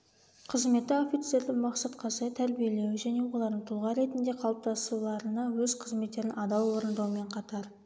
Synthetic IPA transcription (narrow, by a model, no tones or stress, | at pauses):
qʰəzme̞t̪ːɪo̞fijt̪se̞ɾd̪ɪmɑqsɑt̪qʰɑsɑt̪ʰæɾbije̞le̞wɪʒæne̞wo̞lˠɑɾd̪əɴt̪ʰʊlˠʁɑɾe̞t̪ɪnd̪e̞qʰɑlˠəp̚t̪ʰɑsulˠɑɾənɑwɵzqʰəzme̞t̪ːe̞ɾɪnʔɑd̪ɑwwo̞ɾənd̪ɑwəme̞ɴqʰɑt̪ɑɾ